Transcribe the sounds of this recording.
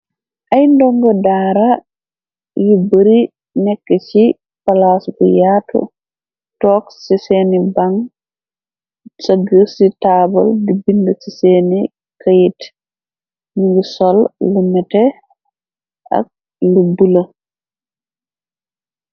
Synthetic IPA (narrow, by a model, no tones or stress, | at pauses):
ʔajndɔŋɡɔdaːɾa | jubəɾi | nɛkːɛt͡ʃi | palasbṵjaːtʰɔ̰ | tɔksisenibaŋ | saɡəsitaːbɔ̰ldibindɔsiseni | kajit | niɡisɔlːumɛtɛ | ʔa̰k̚ | lubula